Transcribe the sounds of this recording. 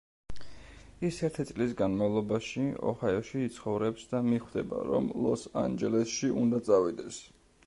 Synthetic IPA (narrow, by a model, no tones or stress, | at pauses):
isɛɾt̪ʰit̪sʼlis̬ɡanmavlˠɔbaʃiɔ̰hajɔʃiːt̪sʰχɔvɾɛpsd̪amiχwd̪ɛba̰ɾɔ̰mlˠɔsa̰nd͡ʒɛlɛsʃiʔund̪at̪sʼavid̪ɛs